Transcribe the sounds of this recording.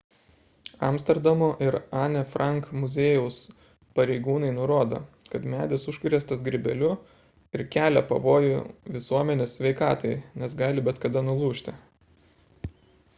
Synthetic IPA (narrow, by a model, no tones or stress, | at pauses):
ɐ̰msʲt̪ʲɛɾd̪ɐmoʔɪɾɑːnʲɛfɾʔɐŋkmʊzʲeːjɛʊs | pɐɾʲɛɪɡuːnɐɪnʊɾoːd̪o̰ː | kɐt̪mʲæːd̪ʲɪsʊʃʲkʊɾʲeːst̪ɐsɡɾʲɪbʲɛlʲʊ | ɪɾkʲæːlʲɛpɐ̰ʋoːjʊʋʲɪsuɔmʲɛnʲeːsʲsʲʋʲɛɪkɑːt̪ɐɪnʲɛsɡɑːlʲɪbʲɛt̪kɐd̪ɐnʊlˠuːʃʲt̪ʲɪ